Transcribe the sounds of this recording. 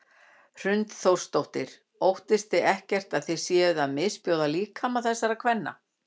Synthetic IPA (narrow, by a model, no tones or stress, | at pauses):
r̥ʏnt̪θowr̥st̪owht̪ɪɾ̥ | owht̪ɪst̪θɪɛhcɛr̥t̪aðθej̥sjɛːʏðaðmɪðspjoːwðaliːkʰamaθɛsːaɾakʰvɛnːa̰